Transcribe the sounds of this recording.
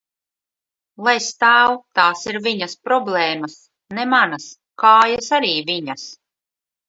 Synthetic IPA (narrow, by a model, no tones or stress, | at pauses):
lˠajst̪aːwt̪aːsiɾviɲɐspɾɔblˠɛːmɐs | nɛmanɐs | kaːjasaɾiːviɲɐs